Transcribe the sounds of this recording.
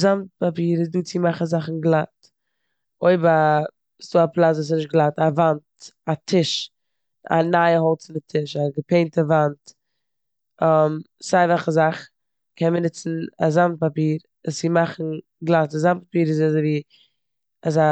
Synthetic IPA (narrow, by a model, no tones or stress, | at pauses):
zamt̚papiːɾɪzduːt͡sɪmaχzaχn̩ɡlˠat | oɪba | sduːaplˠat͡svɔs̬ɪnɪʃt̚ɡlˠatavantatʰɪʃ | a̰naɪəɦɔlˠt͡sɪndɪtʰɪʃaɡəpeɪntəvant | ɔm | saɪvaχəzaχ | kʰɛnmənɪt͡sn̩azamt̚papiːɾ | ast͡sɪmaχn̩ | ɡlˠatazam̚papiːɾɪzazoɪviː | aza